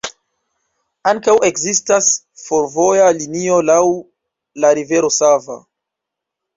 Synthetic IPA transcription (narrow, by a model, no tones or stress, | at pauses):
aŋkawʔe̞kzistas | foɾvo̞jalinio̞law | laɾive̞ɾo̞sava̰